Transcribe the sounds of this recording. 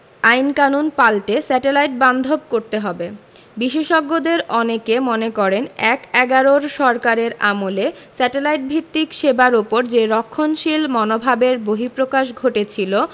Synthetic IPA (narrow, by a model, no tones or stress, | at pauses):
ajnkanunpalʈesɛʈelajʈ̚band̪ʱob̚koɾt̪eɦɔbe | biʃeʃɔɡːod̪eɾɔnekemonekɔɾenɛkɛɡaɾoɾʃɔɾkaɾeɾamole | sɛʈelajʈ̚bʱit̪ːikʃebaɾupoɾd͡ʑeɾɔkʰːonʃilmɔnobʱabeɾboɦipɾokaʃ̬ɡʱoʈet͡ɕʰilo